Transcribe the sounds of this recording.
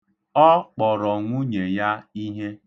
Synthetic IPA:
ɔ˦k͡pɔ˨ɾɔ˨ŋʷu˦ɲe˨ja˦i˦ɦe˦

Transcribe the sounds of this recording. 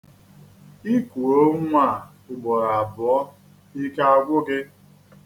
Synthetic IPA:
i˦kʷu˨ɾo˦ŋʷa˦˨ | ʊ˨ɡ͡bɔ˨ɾa˨a˨bʊ˨ɔ˦ | i˦ka˦a˦ɡʷʊ˦ɡɪ˦

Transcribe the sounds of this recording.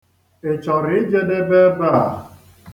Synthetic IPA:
e˨t͡ʃɔ˨ɾɪ˨˦d͡ʒe˦de˦be˦ba˦a˨

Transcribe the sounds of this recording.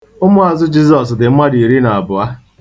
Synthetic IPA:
ʊ˦mʊ˦a˨zʊ˦d͡ʒi˦zɔ˨s̬dɪ˨m̩˦ma˦di˨i˨ɾi˦na˨a˨bʊ˨a˦

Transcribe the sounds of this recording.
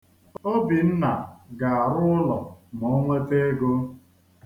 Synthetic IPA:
o˦bi˨n̩˦na˨ɡa˨a˨ɾʊ˦ʊ˦lɔ̰˨mɔ˨˦ŋʷe˦te˦ɡo˦

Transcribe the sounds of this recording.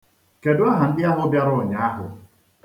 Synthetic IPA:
ke˨dʊ˦a˦ɦa˨n̩˦dɪ˦a˦ɦʊ˦bja˦ɾʊ˦˨ɲa˨˦a˦ɦʊ̰˨

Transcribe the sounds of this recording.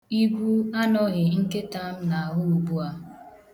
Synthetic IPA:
i˦ɡʷu˦a˦nɔ˦ɣɪ˨ŋ̩˦ke˦ta˦m̩˦na˨a˨ɦʊ˦u˨bu˦a˦

